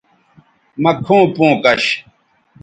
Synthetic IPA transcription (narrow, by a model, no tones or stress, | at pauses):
mɐkʰõːpõːkɐɕ